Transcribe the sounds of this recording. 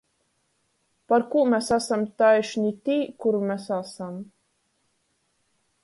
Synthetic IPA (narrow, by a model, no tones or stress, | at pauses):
paɾkuːmɛsasamt̪ajʃnʲit̪ʲiːkuɾumʲɛsasam